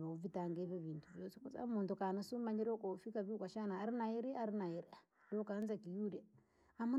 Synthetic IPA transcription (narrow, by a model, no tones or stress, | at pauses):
βauvitaŋɡeβeviːntʰuvjoːsikut͡sa̰muːntukanasumaɲiɾokofikaβikaʃanaːɾinaiɾiaɾinaiɾia | dokanzakijudi | amu